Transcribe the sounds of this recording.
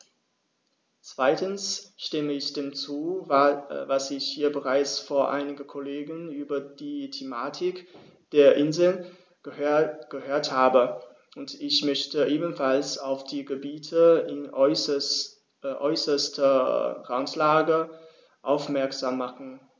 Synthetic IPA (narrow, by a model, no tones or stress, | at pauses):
t͡sv̥aɪtən̩sʃtɪməɪçd̥eːmt͡suː | vasɪçhiːɐbəʁaɪt͡sfoːɐʔa̰ɪnɪɡəkʰoleːɡənyːbɐdiːtʰemaːtʰɪk | d̥eːɐʔɪnzl̩n | ɡ̥əhøːɐthaːbə | ʔʊntɪçmœçtəʔeːbən̩falsaʊfd̥iːɡəbiːtʰəɪn | ʔɔʏsɐstɐʁantlaːɡə | ʔaʊfmɛɐkz̥aːmːaχn̩